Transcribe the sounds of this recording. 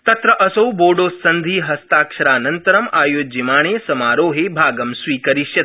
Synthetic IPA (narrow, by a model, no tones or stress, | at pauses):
t̪ɐt̪ɾɐʔɐsɐwboːɖoːsːɐnd̪ʱiːɦɐst̪aːkʂɐɾaːnɐnt̪ɐɾɐmaːjoːd͡ʒimaːɳ̃eːsɐmaːɾoːɦebʱaːɡɐmsʋiːkɐɾiʃjɐt̪̚